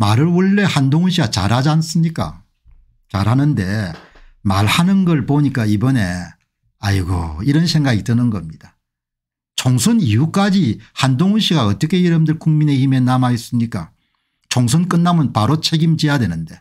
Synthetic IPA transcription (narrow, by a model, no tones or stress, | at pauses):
maɾɯɭwʌɭːe̞handoŋunɕʰiɡat͡ɕa̰ɾɦad͡ʑans͈ɯmɲik͈a̰ | t͡ɕa̰ɾhanɯnde̞ | ma̰ɾhanɯnɡʌɭpoɲik͈aibʌne̞ | aiɡo̰iɾʌnsʰe̞ŋɡaɡitɯnɯnɡʌmɲid̥a | t͡ɕoŋsʰɯnijuk͈ad͡ʑihandoŋunɕʰiɡaʌt͈ʌkʰe̞jiɾɯmdɯɭkuŋmine̞hime̞namais͈ɯmɲik͈a̰ | t͡ɕoŋsʰɯnk͈ɯnːamɯnpaɾot͡ɕʰe̞ɡimt͡ɕijadwe̞nɯnde̞